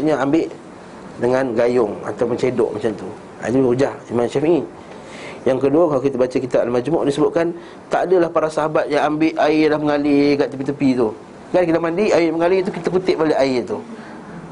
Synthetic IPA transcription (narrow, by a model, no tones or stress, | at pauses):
ɲəambɪʔ | dəŋanɡajʊŋa̰t̪awməɲt͡ʃedɔ̰ʔmat͡ʃamt̪u | a̰d͡ʒuud͡ʒahimanʃaf | jaŋkəduəkalakit̪abat͡ʃakit̪aʔləmad͡ʒmɔʔdisəbʊt̪̚kan | t̪aʔdəlahpaɾasaɦabat̪̚jaŋambɪʔaɪlahməŋalikaʔt̪əpit̪əpit̪u | ɡankit̪amandiʔaɪdahməŋalit̪̬ukit̪akut̪ɪʔ̚baleʔaɪt̪u